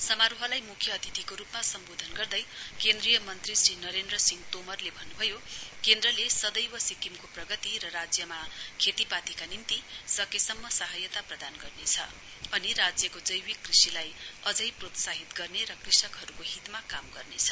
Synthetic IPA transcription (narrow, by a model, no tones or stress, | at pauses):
sʌmaɾuɦʌlajmukʰjʌːt̪ʰit̪ikoɾupmasʌmbod̪ʱʌnɡʌrd̪ʌjkend̪rijʌmʌnt̪risrinʌɾend̪rʌsiŋt̪omʌrlebʱʌnːubʱʌjokend̪rʌlesʌd̪ʌjwʌsikimkoprʌɡʌt̪iɾʌɾad͡zjʌmakʰet̪ipat̪ikanimt̪isʌkesʌmːʌsaɦʌjʌt̪aprʌd̪anɡʌrnet͡sʰʌ̰ | ʌniɾad͡zjʌkod͡zʌjwikːrisilajʌd͡zʌjprot̪saɦit̪ɡʌrneɾʌkrisʌkɦʌɾukoɦit̪makamɡʌrnet͡sʰʌ